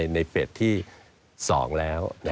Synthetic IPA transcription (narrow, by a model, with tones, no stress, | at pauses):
jna˧jpe˨˩t̪ʰːiː˥˩ | sɔ̰ː˩˦ŋlɛː˦˥wna˦